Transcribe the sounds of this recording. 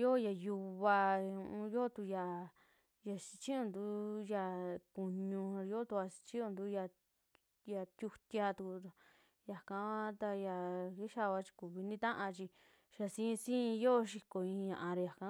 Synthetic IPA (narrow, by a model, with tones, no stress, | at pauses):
jo˦˨ja˧ju˧βa˧ũ˧ũ˧jo˦˧t̪u˧ja˧ | ja˧si̥˧t͡ʃĩ˦õ˧nd̪u˨˦ja˧ku˧ɲũ˧jo˦t̪u˧a˧si̥˧t͡ʃĩ˦õ˧nd̪u˧˦ja˧ | ja˧t̪ʲju˧t̪ʲja˧t̪u˧ku˧ | ja˨kã˧˦βa˦t̪a˧ja˧ki˦ʃa˦˨βa˧˦t͡ʃi̥˧ku˨βi˧nĩ˦t̪ã˦ʔã˧t͡ʃi˧ | ʃa˧sĩ˦˧sĩ˦˧jo˦˧ʃ̬i˧ko˧˨ĩ˧ɲã˧ʔã˧ɾi˧ja˨kã˧˦